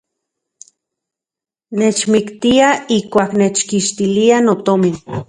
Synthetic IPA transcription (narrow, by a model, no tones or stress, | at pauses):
net͡ʃmikt̪iaihkʷaːknet͡ʃkiʃt̪ilianot̪omin